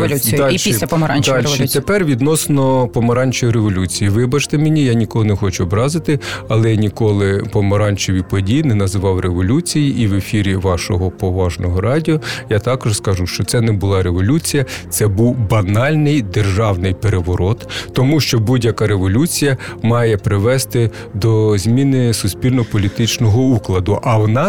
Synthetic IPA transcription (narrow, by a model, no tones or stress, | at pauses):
lʲualʃiilʲɐpɔmɐɾand̪alʲʃit̪epɛrʋʲid̪nɔsnɔpɔmɐɾɑnʲt͡ʃɔjiɾeʋɔlʲut͡sʲijiʋɪbɐt͡ʃt̪ɛmenʲijanʲikɔlˠnɛxɔt͡ʃʊɔbɾɑzɪt̪ɪɐlˠɛnʲikɔlˠɪpɔmɐɾɑnʲt͡ʃɔʋʲipɔdʲijinɛnɐzɪʋɑwreʋɔlʲut͡sʲijiʔːʋefʲiɾʲiʋɑʃɔɦɔpɔʋɑʒnɔɦɔɾɑdʲiɔjat̪ɑkɔʒskɐʒuʃt͡ʃɔt̪sɛnɛbʊlˠɑɾeʋɔlʲut͡sʲijɐt̪sɛbuwbɐnɑlʲnɪjd̪erʒɑwnɪjpeɾeʋɔɾɔt̪ːɔmuʃt͡ʃɔbudʲjɐkɑɾeʋɔlʲut͡sʲijɐmɑjɛpɾɪʋɛst̪ɪ | d̪ɔzʲmʲinɪsʊsʲpʲilʲnɔpɔlʲit̪ɪt͡ʃnɔɦɔuklˠɐd̪ʊʔɐʋɔnɑ